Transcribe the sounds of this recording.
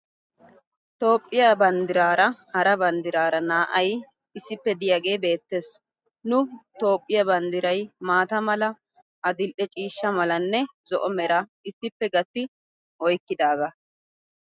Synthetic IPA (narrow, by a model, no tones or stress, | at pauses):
t̪o̞ːpʼːɪjabɐnd̪ɪɾaːɾɐhɐɾɐbɐnd̪ɪɾaːɾɐnaːʔɐj | ɪsːɪpːɛd̪ɪjaːɡe̞ːbe̞ːt̪ːes | nʊt̪o̞ːpʼːɪjɐbɐnd̪ɪɾɐjmaːt̪ɐmɐlɐ | ʔɐd̪ɪlʔɛt͡ʃʼiːʃːɐmɐlɐnːɛzɔʔɔmɛɾɐ | ɪsːɪpːɛɡɐt̪ːɪ | ɔjkːɪd̪aːɡɐ